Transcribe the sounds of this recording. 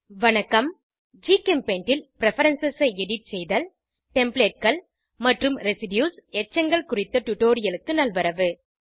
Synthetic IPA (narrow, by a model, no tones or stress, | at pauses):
ʋɐnɐkːɐm | d͡ʒiːkɛmpeɳʈɪlpɪɾɛfɐɾɐnsɐsɐɛɽɪʈ̚sɛjðɐl | ʈɛmpɭeːʈ̚kɐɭ | mɐʈrɯmɾɛsɪɖjuːsɛʈ̚t͡ʃːɐŋɡɐɭkʊrɪt̪ːɐʈʊʈoːɾɪjɐlɯkːɯnɐlʋɐɾɐʋɯ